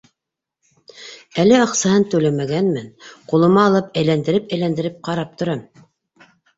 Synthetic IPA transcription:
ælɘɑqsɑhɤnt̪ʉlæmæɡænmænqulˠɤ̆mɑːlˠɤpæjlænd̪ɘ̆ɾɘpæjlænd̪ɘ̆ɾɘp̚qɑɾɑp̚t̪ŏɾɑm

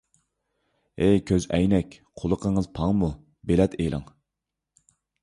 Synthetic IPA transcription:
ekʲʰøzɛjnɛkʲqʰolˠəqʰəŋɨzpʰɑŋmu | belɛt̪ʰelˠʔə̰ŋ

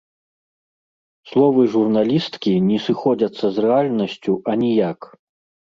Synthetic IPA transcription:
slˠɔvɨʐurnalʲist̪kʲinʲɛsɨxɔd͡zʲɐt̪sːɐzrɛalʲnɐsʲt͡sʲuʔɐnʲɛjak

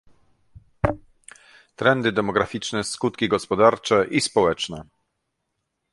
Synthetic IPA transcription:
t̪ɾɛnd̪ɘd̪ɛmɔɡɾafʲit͡ʂnɛskut̪kʲiɡɔspɔd̪aɾt͡ʂɛʔispɔwɛt͡ʂnɛ

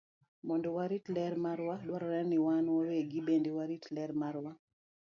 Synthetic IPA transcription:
mɔndɔwaɾitlɛɾmaɾwalwaɾɔɾɛnɪwanwaweɡibendewaɾitlɛɾmaɾwa

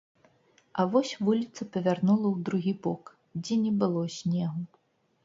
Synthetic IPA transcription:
ɐvɔsʲvulʲit̪sɐpɐvʲarnulˠɐwd̪ɾuɣʲibɔk | d͡zʲɛnʲɛbɨlˠɔsʲnʲɛɣu

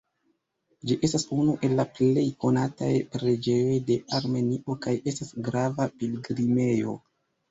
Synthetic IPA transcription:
d͡ʒiʔe̞stasunuʔe̞lːaple̞jko̞nata̰jpɾe̞d͡ʒe̞jo̞jde̞ʔaɾme̞niʔo̞kajʔe̞stasɡɾavapilɡɾime̞jo̞̰

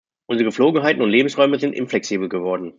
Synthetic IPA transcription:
ʔʊnzəʁəɡəfloːɡŋ̩ɦaɪtn̩ʊntleːbm̩sʁ̥ɔʏməzɪntʔɪ̰nflɛksiːbl̩ɡəvɔɐdn̩

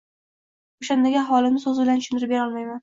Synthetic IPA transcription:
oʃand̪aɡʲaaχwɒlˠɪmnɪsɵzɪbɪlanʃʊnɪɾɪpbe̞ɾɒlˠmajman

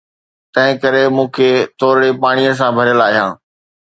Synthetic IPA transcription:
t̪ɐ̃ɦɪ̃kɐɾemũːkʰet̪ʰoːɾɽepaːɽ̃ijəs̬ãbʱɐɾjəlaːɦijãː

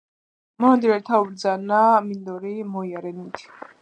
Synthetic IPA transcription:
mɔand̪iɾɛɾt̪ʰaubɾd̪zanamind̪ɔɾimɔiaɾɛnit̪ʰi̥

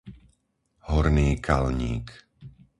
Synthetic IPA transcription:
hɔɾniːkʰa̰lɲḭːk

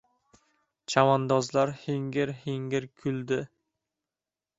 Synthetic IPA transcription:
t͡ʃʰamand̪ɒzlaɾhiŋɡʲɪɾhiŋɡʲɪɾkʲʰʊld̪ɪ

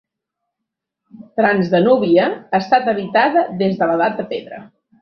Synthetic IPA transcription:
t̪ɾanzðənuβiəaːst̪at̪əβit̪aðəðezðələðat̪̚d̪əpeðɾə̰

